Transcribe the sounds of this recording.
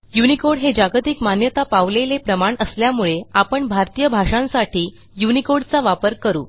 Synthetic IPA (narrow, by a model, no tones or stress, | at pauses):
junikoɽɦed͡ʑaɡt̪ikmanjət̪apaʋlelepɾəmaɳəsljamuɭeapəɳbʱaɾt̪ijəbʱaʂãnsaʈʰiː | junikoɽt͡saʋapəɾkəɾṵː